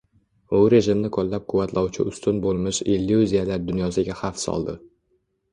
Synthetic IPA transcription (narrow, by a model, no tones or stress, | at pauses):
ʊɾe̞ʒɪmnɪkʰɒlːap̚qʰʊvat̪lɒwt͡ʃʰɪ̰ʊst̪ʰʊnbolˠmɪʃelːuzijalaɾd̪ʊnjɒsɪɡʲahafsɒ̰lˠd̪ɪ̰